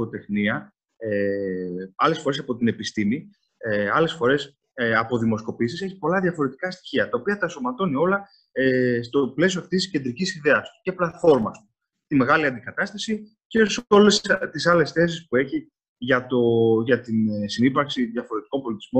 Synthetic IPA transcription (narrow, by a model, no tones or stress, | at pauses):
ot̪e̞xniɐ | e | ɐle̞sfo̞ɾe̞sɐpo̞t̪ine̞pist̪imi | eɐle̞sfo̞ɾe̞s | ɐpo̞ðimo̞sko̞pisise̞çi̥po̞lɐðʝɐfo̞ɾe̞t̪i̥kɐst̪i̥çiɐt̪ɐopiɐt̪ɐso̞mɐt̪o̞nio̞lɐ | est̪o̞ple̞s̬ioɐft̪isisce̞nd̪ɾicisiðe̞ɐst̪u̥ce̞plɐt̪fo̞ɾmɐst̪u̥ | t̪ime̞ɣɐliɐnd̪ikɐt̪ɐst̪ɐsi | cesolest̪isɐle̞sθe̞s̬ispue̞çi | ʝɐt̪o̞ʝɐt̪inesinipɐɾksiðʝɐfo̞ɾe̞t̪iko̞mpo̞lit̪izmo̞